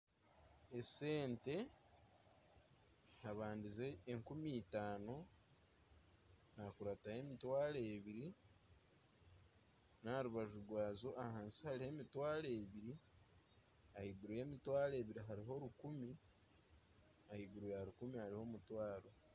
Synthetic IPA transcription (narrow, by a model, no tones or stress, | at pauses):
ese̞ːnte̞ | haβaːndize̞ːŋkumiːtaːno | nakuɾataje̞mitwaːɾeːβiɾi | naɾuβaʒuɾɡwaːzo̞ʔahaːnsi̥haɾihe̞mitwaːɾeβiɾi | ahiɡuɾuje̞ːmitwaːɾe̞ːβiɾiɦaɾiɦo̞ɾukumi | ahiɡuɾujaɾukumihaɾiho̞mutwaːɾo̞